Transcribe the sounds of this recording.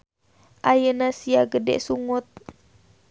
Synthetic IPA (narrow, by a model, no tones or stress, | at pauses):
ʔajənasiaɡədɛ̰ʔsuŋut̪̚